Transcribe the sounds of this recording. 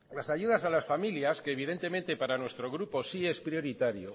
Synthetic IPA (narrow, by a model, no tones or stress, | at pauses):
lasaʝuðasalasfamiljaskeːβ̞ið̞e̞nt̪e̞mẽ̞nt̪e̞paɾanwe̞st̪ɾo̞ɣɾupo̞sie̞spɾjo̞ɾit̪aɾjo̰